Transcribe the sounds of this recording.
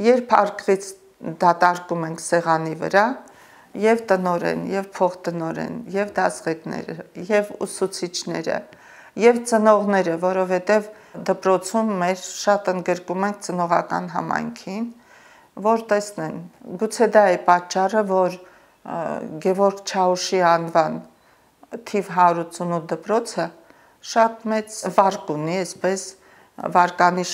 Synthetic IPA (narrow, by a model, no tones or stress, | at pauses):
jɛɾpʰɑ̰rkʁit͡sʰ | d̪ɑt̪ɑɾkumɛŋkʰsɛʁɑnivə̰ɾɑ | jɛvt̪ənɔɾɛ̰njɛvpʰɔχt̪ənɔɾɛ̰njɛvd̪ɑsʁɛknɛ̰ɾə̰jɛvṵsut͡sʰit͡ʃʰnɛ̰ɾə̰ | jɛvt͡sənɔʁnɛɾəvɔɾɔvhɛt̪ɛv | d̪əpɾɔt͡sʰumːɛɾʃɑt̪ənd̪ɡəɾkumɛŋk̚ʰt͡sənɔʁɑ̰kɑ̰nɦɑ̰mɑ̰jŋkʰin | vɔɾt̪ɛsnɛnɡut͡sʰɛd̪ɑɛpɑt͡ʃːɑrəvɔɾ | ɡɛvɔɾkt͡ʃʰɑuʃiɑnvɑn | t̪ʰivɦɑɾut͡sunud̪əpɾɔt͡sʰə | ʃɑt̪mɛt͡svɑɾkuniɛspɛs | vɑɾkɑniʃ